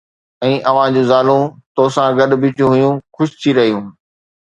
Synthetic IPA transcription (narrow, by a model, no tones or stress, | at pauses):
ɛ̃ːʔɐʋ̤ãd͡ʑũːzaːlũt̪oːsãɡɐɗbɪt͡ɕjũɦʊjũxʊʃɪ̥t̪ʰiɾɐɦijũː